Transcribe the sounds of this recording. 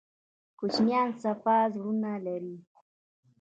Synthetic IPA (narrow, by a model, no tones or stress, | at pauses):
kut͡ʃnjansapaːzɾunaleɾi